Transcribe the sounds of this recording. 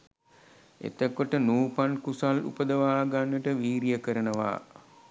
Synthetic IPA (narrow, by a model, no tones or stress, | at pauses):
ḛt̪əkoʈənuːpankusalṵpəd̪əʋaːɡanʋəʈəʋiːɾijəkəɾənəʋa̰ː